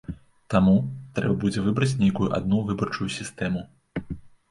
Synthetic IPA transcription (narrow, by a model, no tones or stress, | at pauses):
t̪amut̪ɾɛbɐbud͡zʲɛvɨbɾɐt͡sʲnʲejkujuʔa̰d̪nuvɨbɐrt͡ʂujusʲist̪ɛmu